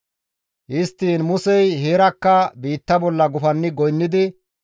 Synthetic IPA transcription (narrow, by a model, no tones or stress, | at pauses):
ʔɪst̪ːiːnmʊsɛjɦeːɾɐkːɐbiːt̪ːɐbɔlːɐɡʊfɐnːɪɡɔjnːɪd̪ɪ